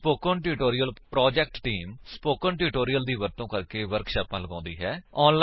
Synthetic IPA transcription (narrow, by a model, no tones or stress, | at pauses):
poːkə̃nʈuːʈoːɾijəlpɾɔːd͡ʒɛːk̚ʈʈiːmspoːkənʈuːʈoːɾijəld̪iːʋəɾt̪õːkəɾkeːʋəɾkʃaːpãːləɡãːnd̪iːɦɛːɔːnl